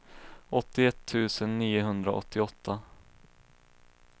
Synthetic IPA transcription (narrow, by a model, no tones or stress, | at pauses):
ɔt̪ːɪɛt̪ʰːʉ̟ːsənːiːʊɦɵnd̪ɾa̰ʔɔ̰t̪ʰːɪɔt̪ʰːa